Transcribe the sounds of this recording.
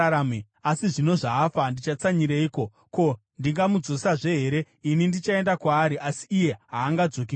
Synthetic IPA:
ame | asiʐino̞ʐaːfandit͡ʃat͡saɲiɾeiːko̞ | ko̞ | ndiŋɡamud͡zo̞saʐe̞ɦe̞ɾe̞ | inindit͡ʃae̞ndakwaːɾiʔasi̥ːje̞ɦaːŋɡad͡zo̞k̬i

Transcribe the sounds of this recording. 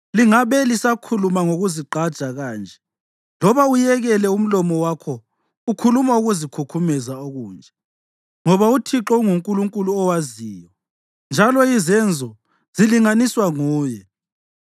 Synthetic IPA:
liŋaβɛlisakʰulumaŋoɣuziǃad̥ʒ̥ʱaɣaːnd͡ʒʱɛ | lɔβaujɛɣɛlɛum̩lɔmɔwakʰɔ | ukʰulumauɣuzikʰukʰumɛzaoɣuːnd͡ʒʱɛ | ŋɔβautʰiǁɔuŋuŋkʼuluŋkʼuluɔwaziːjɔ | nd͡ʒʱalɔizɛnd͡zʱɔ | z̥iliŋaniswaŋuːjɛ

